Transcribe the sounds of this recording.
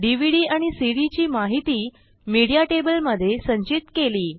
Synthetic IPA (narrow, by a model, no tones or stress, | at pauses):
ɖiʋiɽiːaɽ̃isiɽit͡ɕiːmaɦit̪iː | miɽijaʈebəlməd̪ʱːjesəɲt͡ɕit̪keliː